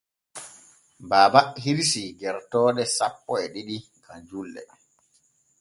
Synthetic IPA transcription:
baːbahiɾsiɡɛɾtɔːɗɛsapːɔɛɗiɗi | ɡand͡ʒulːɛ̰

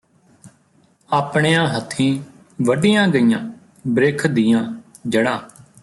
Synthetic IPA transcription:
aːpɳeːjãːɦət̪ʰːĩː | ʋəɖijãːɡəijãː | bɾeːkʰd̪ijãː | d͡ʒəɽãː

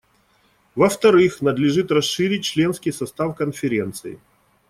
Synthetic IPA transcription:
vəft̪ɐɾɨxnəd̪lʲɪʐɨt̪rɐsʂɨɾʲɪt̚ʲt͡ɕlʲe̞nskʲɪjsɐst̪afkənfʲɪɾʲe̞nt̪sɨɪ̰

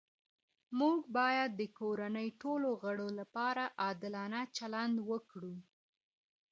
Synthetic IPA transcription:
muɡbɑjad̪̚ːəkoɾanəjʈoloɣəɽolapɑɾaʔɑd̪ɪlɑnat͡ʃaland̪wəkɽu

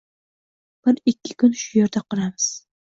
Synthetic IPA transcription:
b̥ɪɾɪkʲʰːɪkʲʊnʃʊjeɾd̪aqʰɨɾamɪz̥

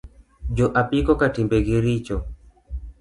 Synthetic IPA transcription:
d͡ʒɔʔapikɔkatimbɛɡiɾit͡ʃɔ

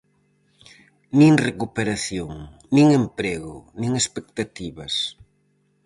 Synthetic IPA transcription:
nĩŋrekupeɾaθjoŋ | nĩŋempɾeɣʊ̰nĩŋespek̚t̪at̪iβɐs

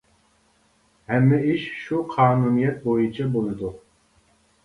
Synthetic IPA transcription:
hɛmːɛiʃʃuqʰɑːnuːnijɛt̪̚bojunt͡ʃʰabolˠd̪u

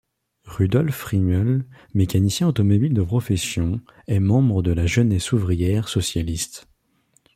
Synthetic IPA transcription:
ʁyd̪ɔlfχimœl | mekʲanisjɛ̃ot̪ɔmɔbild̪əpχɔfɛsjɔ̃ | ɛmɑ̃bʁəd̪əlaʒənɛsuvʁijɛʁsɔsjalist̪

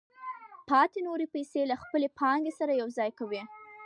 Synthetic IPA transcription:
pɑt̪enoɾepajselaxpəlepʰɑŋɡesaɾajawzɑjkawi

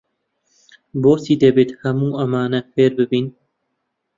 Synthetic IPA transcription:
boːsiːd̪ɐbeːt̪hɐmuːʔɐmaːnɐpeːɾbɨbiːn

